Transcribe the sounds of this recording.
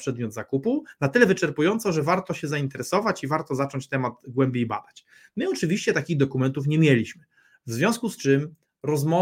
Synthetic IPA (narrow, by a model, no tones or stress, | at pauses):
pʂɛd̪mʲjɔd̪zakupunat̪ɘlɛvɘt͡ʂɛɾpujɔnt̪sɔʐɛvaɾt̪ɔɕɛzaint̪ɛɾɛsɔvat͡ɕivaɾt̪ɔzat͡ʂɔɲt͡ɕt̪ɛmad̪ɡwɛmbʲjejba̰d̪at͡ɕ | mɘɔt͡ʂɘvʲiɕt͡ɕɛt̪akʲiɣd̪ɔkumɛnt̪ufɲɛmʲjɛlʲiɕmɘ | vzvʲjɔ̃w̃skust͡ʂɘm | ɾɔzmɔ